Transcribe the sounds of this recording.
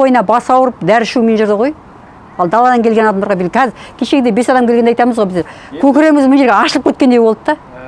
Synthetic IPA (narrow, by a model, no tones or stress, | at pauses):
ojənɑbɑsɑwəɾəp̚d̪æɾɪʃumenʒʊɾd̪əʁoj | ɑlˠd̪ɑlˠɑd̪ɑŋkʲe̞lɡʲenɑd̪ɑmd̪ɑɾʁɑbelʲkʰæzɪkʲʰeʃeɡʲɪd̪ebe̞sɑd̪ɑmkʲelɡenɑjt̪ɑməzʁojbɪzeɾ | kʲʰɵkʲɪɾemɪzmɪnʒeɾɡʲeɑʃlˠəpkʰʲɵt̪̚kʲe̞nd̪ejbo̞lˠd̪ət̪ːɑ